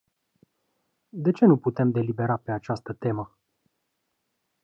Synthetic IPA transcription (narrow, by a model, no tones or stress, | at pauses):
d̪e̞t͡ʃe̞nuput̪e̞md̪e̞libe̞ɾape̞at͡ʃast̪ət̪e̞mə